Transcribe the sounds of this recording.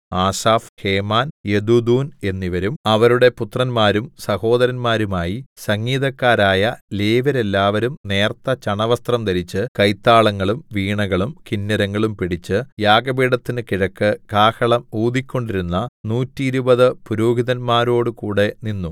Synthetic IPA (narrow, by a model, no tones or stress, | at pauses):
aːsaːfhe̞ːmaːnjed̪ud̪uːne̞nːiʋɐɾumɐʋɐɾuɽe̞put̪rɐnmaːɾumsɐho̞ːd̪ɐɾɐnmaːɾumaːjisɐŋːiːðɐkːaːɾaːjɐleːʋɐɾe̞lːaːʋɐɾumne̞ːrt̪ːɐt͡ɕɐɳɐʋɐst̪rɐmt̪ɐɾit͡ɕːɨkɐjt̪ːaːɭɐŋːɐɭumʋiːɳɐɣɐɭumkinːɐɾɐŋːɐɭumpiɽit͡ɕːɨjaːɡɐbiːɽɐt̪ːinɨkiɻɐkːɨkaːhɐɭɐmuːd̪ikʲːo̞ɳɖiɾunːɐnuːtːiːɾubɐðɨpuɾoːɦiðɐnmaːɾo̞ːɽɨkuːɽe̞ninːu